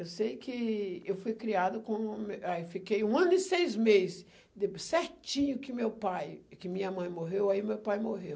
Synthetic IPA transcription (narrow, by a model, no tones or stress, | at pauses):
ewsejkɪewfujkɾiad̪ʊkõmafikejũɐ̃nʊɪsejzmezz | d̪ɪsɛɾt͡ʃĩɲʊkɪmewpajkɪmĩɲɐmɐ̃j̃moɦewaiʊmewpajmoɦew